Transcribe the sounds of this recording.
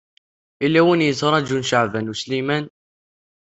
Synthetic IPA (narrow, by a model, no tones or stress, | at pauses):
ilːæwinjət͡sːɾˤɑd͡ʒunʃaʕvænuslimæn